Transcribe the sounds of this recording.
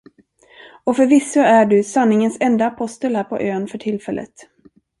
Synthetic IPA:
ɔfœɾvɪsːaæɖɵsanːɪŋənsɛnd̪aːpʰɔst̪əlhæːɾpʰɔ̰ʔøːnfœʈʰɪlfɛlːʔə̰t̪

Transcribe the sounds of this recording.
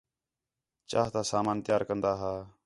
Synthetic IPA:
t͡ʃa̰ːɦt̪aːsaːmaːnt̪ɪjaːɾkənd̪aːɦaː

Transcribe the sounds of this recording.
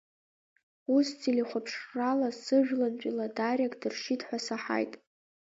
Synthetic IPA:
ust͡sʰiliχʷapʰʂralasɨʒᶣlant͡ɕʷʼiladarʲakʼdɨrʂidħʷasaħa̰jtʼ

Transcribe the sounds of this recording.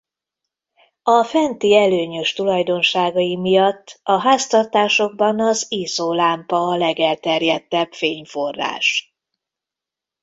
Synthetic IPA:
ɒfɛnt̪iɛløːɲø̞ʃt̪ulɒjd̪o̞nʃaːɡɒjimijɒt̪ːɒɦaːst̪ɒrt̪aːʃo̞ɡ̚bɒnɒziːsoːlaːmpɒːlɛɡɛlt̪ɛrjɛt̪ːɛbfeːɲforːa̰ːʃ

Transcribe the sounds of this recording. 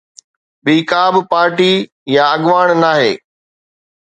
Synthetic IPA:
ɓiːkaːbpaːɾʈi | jaɐɠʋaːɽ̃naːɦḛː

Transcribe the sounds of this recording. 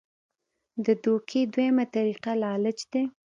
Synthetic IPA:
d̪əd̪okʰed̪wejamat̪aɾiqalɑlɪt͡ʃd̪e

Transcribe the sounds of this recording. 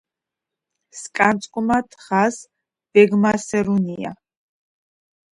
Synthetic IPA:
skʼant̪sʼkʼmat̪ʰχas | b̥ɛɡmasɛɾunia̰

